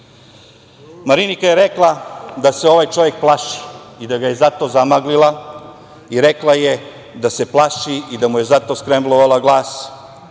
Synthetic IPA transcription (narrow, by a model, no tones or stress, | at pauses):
maɾinikaje̞ɾeklˠad̪aseo̞ʋajt͡ʃo̞ʋje̞k̚plˠaʃi̥id̪aɡaje̞zat̪o̞ːzamaɡlilˠa | iɾeklˠaje | d̪ase̞plˠaʃiid̪amuje̞zat̪o̞ːskɾembloʋalaɡlˠaːs